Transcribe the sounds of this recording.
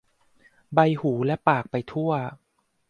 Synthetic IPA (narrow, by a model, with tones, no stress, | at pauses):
ba˧jhuː˩˦lɛ˦˥paː˨˩k̚pa˧jt̪ʰu˥˩ɐ